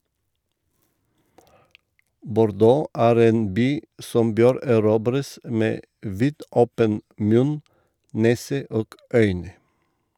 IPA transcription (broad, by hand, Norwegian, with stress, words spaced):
bʊɾˈdoː ˈʔæːɾ ˈeːn ˈbyː ˈsɔm ˈbøːɾ æˈɾuːbɾəs ˈmeː ˈʋiːdʔɔpən ˈmʉn ˈneːsə ˈʔoːɡ ˈœʏnə